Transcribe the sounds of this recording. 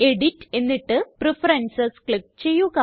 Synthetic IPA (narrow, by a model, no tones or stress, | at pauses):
e̞ɽitːe̞nːiʈːɨprifɐɾensɐsklik̚t͡ɕe̞jːuɣɐ